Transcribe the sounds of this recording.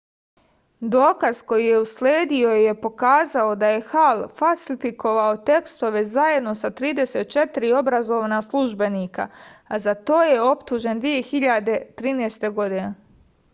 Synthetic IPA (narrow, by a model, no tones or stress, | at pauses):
d̪o̞ːkaz̥ko̞jijeusleːd̪io̞je̞po̞kaːzao̞d̪aje̞xalfalsifikoʋao̞t̪e̞kst̪o̞ʋe̞zaje̞d̪no̞sat̪ɾiːd̪e̞se̞t̪̚t͡ʃe̞t̪iɾio̞bɾazo̞ʋnaslˠuʒbe̞nika̰azat̪o̞ːje̞o̞pt̪uʒe̞nd̪ʋije̞xiʎad̪e̞t̪ɾiːnɛːst̪e̞ɡo̞d̪ine